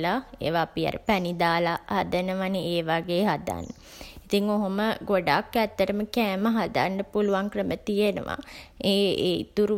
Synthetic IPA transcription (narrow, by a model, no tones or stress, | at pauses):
laḛːʋaːpia̰ɾəpɛnid̪aːlahad̪ənəʋanəeːʋaɡeːɦad̪a̰nːə | it̪iŋːoɦoməɡoɖakːæt̪ːəʈəməkæːməɦad̪a̰nɖəpuluʋaŋkrəmət̪ijenə̰ʋa̰ḛːḭt̪uɾu